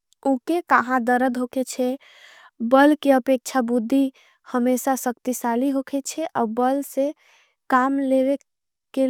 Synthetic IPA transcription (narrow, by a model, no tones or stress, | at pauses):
ukekəɦãd̪əɾəd̪ɦoket͡ʃʰɛ | bəlkeəpek̚t͡ʃʰabud̪ʱːi | həmesasəkt̪isaliɦokʰet͡ʃʰɛʔa̰bəlse | kamlewe | ke